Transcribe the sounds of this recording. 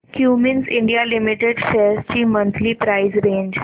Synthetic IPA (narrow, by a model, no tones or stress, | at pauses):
kjuːmɪnsɪ̃ɳɖijalɪmɪʈeɖfeːst͡ʃimə̃nt̪ʰlipɾaɪzɾẽːɲd͡ʒ